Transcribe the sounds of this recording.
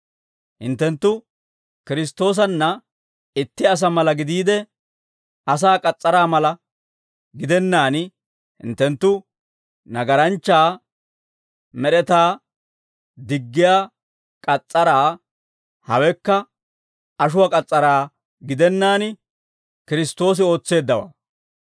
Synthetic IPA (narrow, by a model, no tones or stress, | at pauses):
hɪ̰nt̪ːɛnt̪ːʊ | kɪɾɪs̬t̪o̞ːs̬ɐnːɐ | ɪt̪ːɪɐs̬ɐmɐlɐɡɪd̪iːd̪ɛ | ʔɐs̬aːkʼɐt͡sʼːɐɾaːmɐlɐ | ɡɪd̪ɛnːaːn | hɪ̰nt̪ːɛnt̪ːʊ | nɐɡɐɾɐnt͡ʃːaː | mɛɾɛt̪aː | d̪ɪɡːɪjaː | kʼɐt͡sʼːɐɾaː | hɐ̰wɛkːɐ | ɐʃ̬ʊwakʼɐt͡sʼːɐɾaː | ɡɪd̪ɛnːaːn | kɪɾɪst̪o̞ːs̬ɪo̞ːt͡sːe̞ːd̪ːɐwa̰ː